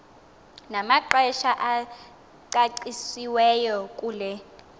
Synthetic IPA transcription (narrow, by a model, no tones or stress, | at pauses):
namaǃɛʃaʔa | ǀaǀisiwɛjɔkʼuːlɛ